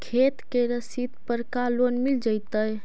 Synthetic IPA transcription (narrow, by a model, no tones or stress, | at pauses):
kʰet̪keɾəsit̪pəɾkalonmild͡ʒəjt̪əj